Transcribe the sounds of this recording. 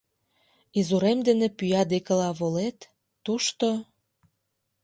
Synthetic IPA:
izuɾemd̪enĕpyjɑd̪ekə̆lɑβolet̪ː | uʃt̪o

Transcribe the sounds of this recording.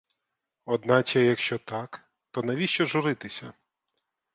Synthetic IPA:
ɔd̪nɑt͡ʃɛjɐkʃt͡ʃɔt̪ɑk | t̪ɔnɐʋʲiʃt͡ʃɔʒʊɾɪt̪ɪsʲɐ̰

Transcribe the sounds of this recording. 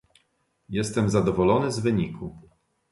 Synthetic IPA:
jɛst̪ɛmzad̪ɔvɔlɔnɘzvɘɲikʰu

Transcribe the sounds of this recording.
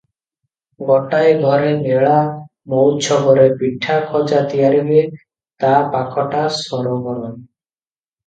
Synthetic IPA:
ɡɔʈajɡʱɔɾeneɭa | mowt͡ʃʰɔɦɔɾepiʈʰːakʰɔd͡ʒat̪ijaɾibe | t̪apakʰɔʈasɔɾɔɡɔɾɔn

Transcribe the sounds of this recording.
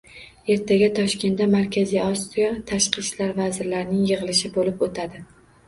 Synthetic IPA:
e̞ɾt̪ʰaɡʲat̪ʰɒʃkʲe̞nd̪amaɾkʲʰazijɒsijɒt̪ʰaʃqɨʃlaɾvazɪɾlaɾɪnɪŋjɨʁɨlˠɪʃɪbolɪpot̪ʰad̪ɪ

